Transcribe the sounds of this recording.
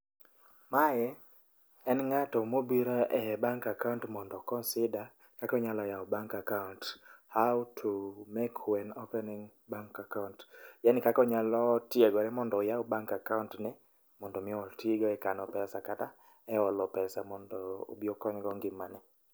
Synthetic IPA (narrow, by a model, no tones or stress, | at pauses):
majɛ | ɛnŋatɔmobiɾɔʔɛbaŋkakauntmɔndɔkɔnsɪda | kakɔɲalɔjaɔbaŋkakaunthawtʰumɛkʰwɛnopɛnɪŋ | baŋkakauntjanikakɔɲalɔtjeɡɔɾɛmɔndɔojaɔbaŋkakawntnɛ | mɔndɔmɪɔtʰiɡɔɛkanɔpɛsakata | ɛɔlɔpɛsamɔndɔo̰biokɔɲɡɔŋɡɪmanɛ